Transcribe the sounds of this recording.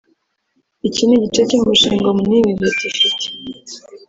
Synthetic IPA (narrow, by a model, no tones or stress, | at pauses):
iciniɟit͡ʃeciːmbuʃiːŋɡomuniwibjetufite̥